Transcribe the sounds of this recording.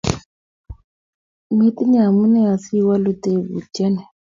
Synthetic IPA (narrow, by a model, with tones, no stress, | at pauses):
m˦e˦t̪i˦ɲa˨a˨mu˦nɛ˦a˨si˦wa˦lu˦t̪e˦˨βṵ˨d͡ʒɛ˦nɛ˨